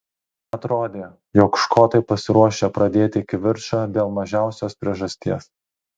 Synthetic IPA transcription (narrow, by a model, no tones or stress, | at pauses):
ɐt̪ɾoːd̪ʲeː | joːkʃkoːt̪ɐɪpɐsʲɪɾuɔʃʲepɾɐd̪ʲeːt̪ʲɪɪkʲɪʋʲɪɾʃaːd̪ʲeːlˠmɐʒʲæˑʊsʲoːspʲɾʲiɛʒɐsʲt̪ʲiɛs